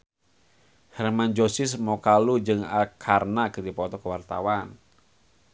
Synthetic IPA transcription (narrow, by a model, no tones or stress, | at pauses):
hɛrmand͡ʒosismɔkalud͡ʒɨŋakʰarnakəd̪ipɔt̪ɔkəwart̪a̰wan